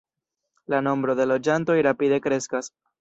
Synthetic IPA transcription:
lano̞mbɾo̞d̪e̞lo̞d͡ʒanto̞jɾapide̞kɾe̞skas

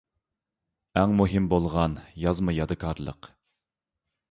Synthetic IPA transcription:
æŋmuɦɪmbolˠʁɑnjɑzmɨjɑd̪ɨkʰɑɾlˠə̰q

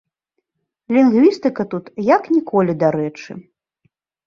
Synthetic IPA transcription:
lʲinɣvʲist̪ɨkɐt̪ut̪jaknʲikʰɔlʲid̪aɾɛt͡ʂɨ̰

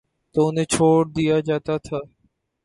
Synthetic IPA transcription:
t̪oʊnẽːt͡ʃʰoːɽd̪ijad͡ʒaːt̪at̪ʰaː

